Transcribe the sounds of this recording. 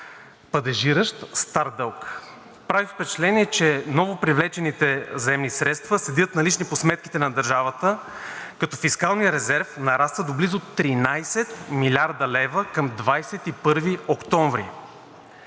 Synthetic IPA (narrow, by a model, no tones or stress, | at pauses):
pɐd̪ɛʒiɾəʃt̪st̪aɾd̪əlˠk | pɾavifpɛt͡ʃɛ̥t̪lɛniɛt͡ʃɛnɔvopɾivlɛt͡ʃɛnit̪ɛzɛmnisɾɛt̪st̪vəsɛd̪iət̪nɐlit͡ʃniposmɛt̪̚ki̥t̪ɛnɐd̪ɐɾʒavət̪ə | kɐt̪ɔfiskalˠnijəɾɛzɛɾfnɐɾast̪vəd̪oblizot̪ːɾinajsɛt̪milʲaɾd̪ɐlɛvəkəmd̪vajsɛt̪ipɤɾviokt̪ɔɱvɾḭ